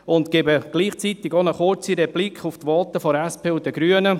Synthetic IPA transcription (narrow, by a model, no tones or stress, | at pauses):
ʊnt̪kebəɡ̥liːχt͡sit̪ɪɡonəχʊɾt͡siɾɛblikχuft̪ʋɑlt̪əfɔæspʰeːud̪əɡɾyənə